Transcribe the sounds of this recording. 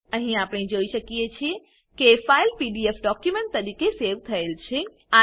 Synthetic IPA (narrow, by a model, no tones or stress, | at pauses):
əɦĩapɳ̃id͡ʒoiʃəkijet͡ʃʰie | kefailpiɖiefɖɔkjumẽɳʈ̚t̪əɾikeseʋt̪ʰəelt͡ʃʰe | a